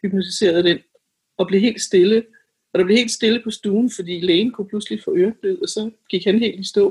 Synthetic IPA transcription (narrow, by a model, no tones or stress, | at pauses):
hyb̥nusd̥ise̝̰ːɐð̞ˠd̥en̰ | ɒ̽b̥le̝ɦe̝̰ːld̥sd̥e̝lə | ɒ̽ɾ̥ɑ̈b̥le̝he̝̰ːldsd̥e̝ləpʰɒ̽sd̥uːn̩fɒ̽d̥ḭːleːnkʰupʰluslifɔ̰̽ːøɐb̥leð̩ˠɒ̽sɒ̽ɡ̥iɡ̥hænɦe̝̰ːldisd̥ɔ̰ː